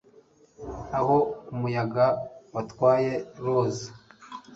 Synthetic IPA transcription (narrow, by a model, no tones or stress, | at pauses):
aɦo̞umujaɡawatwaːje̞ɾoːzi